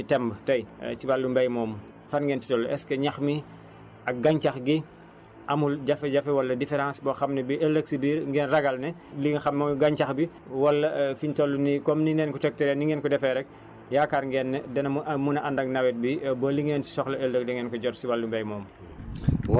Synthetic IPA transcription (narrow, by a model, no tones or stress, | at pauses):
tɛmbtɐjsibalːumbɛjmɔːm | fanŋɡɛːnti̥tɔlːɛskɐɲaxmi | ɐk̚ɡaɲt͡ʃaxɡi | ʔɐmulɟɐfɛɟafɛwɐlːɐdifɛɾãnsbɔxɐmnɛbiʔɛlːəksibiːɾŋɡɛːnraɡalnɛliɡxɐmmɔmiɡaɲt͡ʃaxbi | wɐlːɐfintolːunikɔmniŋɛːnkɔtɛk̚tɛɾɛniŋɡɛːnkɔdɛfɛɾɛk̚ | jakaːɾŋɡɛːnːɛdɛnɐmmunɐʔandɐɡnawɛt̚bibɐliŋenti̥sɔxlɐelːək̚dɛŋɡɛːnkɔɟɔtsibalːumbɛjmɔːm | w